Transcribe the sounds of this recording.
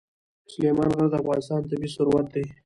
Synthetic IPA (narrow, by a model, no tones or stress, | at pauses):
slemɑnɣaɾd̪əafɣɑnɪst̪ɑnt̪abiːsʊɾwat̪̚d̪aj